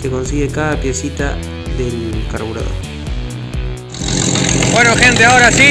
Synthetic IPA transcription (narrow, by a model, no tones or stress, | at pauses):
keko̞nsiɣekaðapje̞sit̪a | ðelkaɾβuɾa̰ðo̰ɾ | bwenoxe̞nt̪eaoɾasi